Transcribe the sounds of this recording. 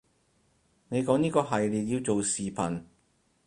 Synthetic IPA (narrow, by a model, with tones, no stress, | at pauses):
ne˨˧jkɔː˨˥ŋniː˥kɔː˧ɦɐ˨jliː˨t̚ji˧wt͡so˨wsiː˨pʰɐ˨˩n